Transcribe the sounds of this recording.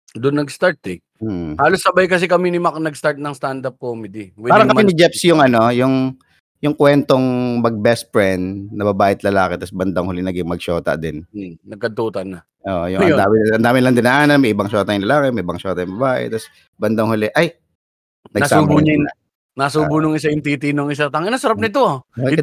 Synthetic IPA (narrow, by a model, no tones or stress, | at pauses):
d̪ʊnːɐɡst̪aɹt̪ɛ | haːlosːɐbajkɐs̬ɛkɐminɪmaknɐɡst̪aɹt̪̚nɐŋst̪and̪ɐp̚komɪd̪iwɛaːɾɐŋkɐmɪnɪd͡ʒɛpsjʊŋʔɐno̞jʊŋ | jʊŋkwɛnt̪o̞ŋmɐɡ̚bɛs̚pɹɛnnɐbɐbaːʔɪt̪̚lɐlaːkɛt̪ɐsbɐnd̪ɐŋhʊlɪnɐɡɪŋmɐɡ̚ʃoːt̪ɐ̰d̪ɪnnɐɡ̚kɐt̪uːt̪ɐnɐ | ʔoːʔojʊŋɐd̪aːmɪɐnd̪aːmɪnɐlɐŋd̪ɪnaʔaːnɐmɐʔɪbɐŋʃoːt̪ɐɲnlɐlaːkɛmɐʔɪbɐŋʃoːt̪ɐjʊŋbɐbaːʔɛ̰t̪ɐs | bɐnd̪ɐŋhʊlɪʔɐj | nɐɡsubʊɲɐ | nasuːbʊnʊŋɪs̬ɐjɪnt̪it̪inʊŋɪsat̪ɐŋɪnɐsɐɾɐppnɪt̪o